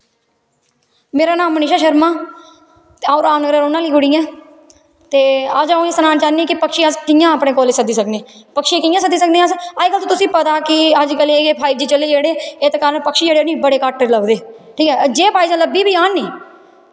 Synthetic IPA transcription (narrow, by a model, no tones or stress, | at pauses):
meːɾaːnaːmːənɪʃaːʃəɾmaː | t̪ːaːɾaːʋnəɡɾəɾoːnãːliːɡʊɽijãː | t̪eːəd͡ʒaõesənaːnt͡ʃaːniːkɪpəkʃiːəskɪjãːəpɽeːkoːleːsəd̪iːsəkneːpəkʃiːkɪjãːsəd̪iːsək̚d̪eːəsad͡ʒkəlt̪õːt̪ʊsĩːpət̪aːkɪəd͡ʒkəleːeːpʰaːiːbd͡ʒiːt͡ʃəleːd͡ʒeːɽeːet̪ːkaːɾənpəkʃiːd͡ʒeːɽeːnĩːbəɽeːkaːʈːəɾləɡd̪eːʈʰiːkɛːd͡ʒeːpaːiːzãːləbiːbʱiːaːniː